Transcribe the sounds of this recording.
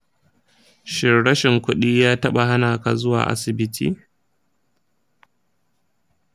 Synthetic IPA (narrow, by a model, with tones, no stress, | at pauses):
ʃɪ˦˨rɽɐ˦ʃɪ˨ŋkʷʊ˦ɗiː˦jaː˦tɐ˦ɓa˨ha˦naː˨ka˨zʊ˦wa̰ː˨ʔa̰˦sɪ˨bɪ˦tʰḭː˦˨